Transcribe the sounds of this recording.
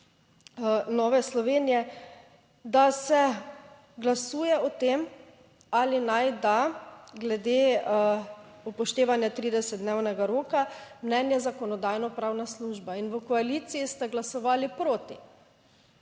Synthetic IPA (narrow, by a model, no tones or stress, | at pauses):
nɔːʋɛslɔʋeːnijɛ | d̪asɛ | ɡlasuːjɛɔt̪em | alinajd̪aɡlɛd̪eː | upɔʃt̪eːʋanjat̪ɾiːd̪ɛsɛd̪̚d̪neːwnɛɡaɾoːkamnɛnjɛzakɔnɔd̪ajnɔpɾaːwnasluːʒbainʋəkɔaliːt̪sijist̪aɡlasɔʋaːlipɾoːt̪i